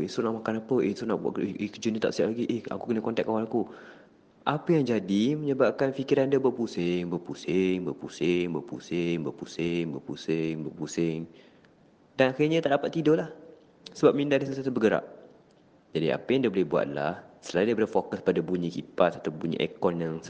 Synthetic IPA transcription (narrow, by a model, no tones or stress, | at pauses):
isonaʔmakanapəʔesuna̰ʔba̰ʔʔekəd͡ʒunət̪a̰ʔsəap̚laɡiʔea̰kukənəkɔnt̪ɛk̚ːawalaku | ʔapəjaŋd͡ʒadimə̃ɲəbaʔ̚kanfikiɾandabuaʔ̚pusɪŋbəpusɪŋbəpusɪŋbaʔpṵsɪŋbəpusɪŋbupusɪŋbəaʔpusɪŋ | d̥anaxiɲət̪aʔdapat̪ːidolah | səbap̚mĩndahdiss̬at̪ubəɡəɾa̰ʔ̚ | d͡ʒadia̰pəjaŋndiabolɪhbua̰t̪ʔ̪lahsəlaundabolɪhfokəspadabuɲikipat̪̚ːat̪abuɲḭʔɛ̰kɔnjaŋ